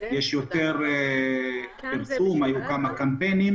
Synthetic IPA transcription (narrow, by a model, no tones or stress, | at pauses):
jɛʃjot̪eʁ | piɾsumhajukamakampenim